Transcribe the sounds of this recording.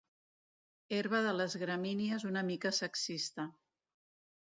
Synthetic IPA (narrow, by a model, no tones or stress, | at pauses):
eɾβəðələzɣɾəminiəzunəmikəsəksist̪ə